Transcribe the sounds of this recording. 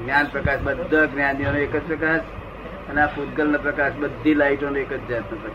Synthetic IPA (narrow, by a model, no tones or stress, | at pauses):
njaːnpɾɐkaːʃbɐd̪ːəknjaːnmioːneːkət͡spɾɐkaːs | ɐnafut̪̚kəlnɐpɾɐkaːsbɐd̪ʱːilaiʈonoeːkət͡ʃd͡ʒɐt̪nɐpɾɐkː